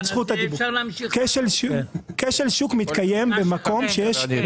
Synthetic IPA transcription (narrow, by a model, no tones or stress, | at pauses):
sχut̪aibkeʃelkeʃelʃukmit̪kajembemako̞mʃejeʃ